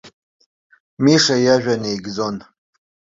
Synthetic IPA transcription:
miʂajaʒᶣanejɡd͡zo̞n

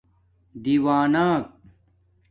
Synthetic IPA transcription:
d̪iːwaːnaːk̚

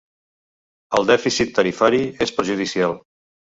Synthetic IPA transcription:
əlˠd̪ɛfisit̪ːəɾifaɾiespəɾʒuð̞isialˠ

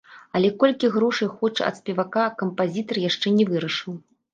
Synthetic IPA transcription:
ɐlʲɛkɔlʲkʲiɣɾɔʂɐjxɔt͡ʂɐ̰t̪sʲpʲɛvakakɐmpazʲit̪ɐrjaʂt͡ʂɛnʲɛvɨɾɐʂɨw

